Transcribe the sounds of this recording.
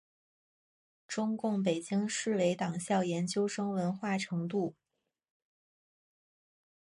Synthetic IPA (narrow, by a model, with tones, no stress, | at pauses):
ʈ͡ʂʊ˥ŋkʊ˥˩ŋp̬e˨˩ɪt͡ɕi˥ŋʂɻ̩˥˩we˧˥ɪt̪ɑ˨˩ŋɕjɑ˥˩ʊjɛ˧˥nt͡ɕjo˥ʊʂɤ˥ŋwə˧˥nxwa˥˩ʈ͡ʂʰɤ˧˥ŋt̪u˥˩